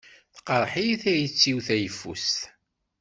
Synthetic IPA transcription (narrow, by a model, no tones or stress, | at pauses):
θqəɾˤħijθæjət͡sːiwθæjəfːṵst̪